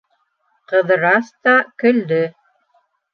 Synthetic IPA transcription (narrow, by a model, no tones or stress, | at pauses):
qɤ̆ðɤɾɑst̪ɑkɵ̆ld̪ɵ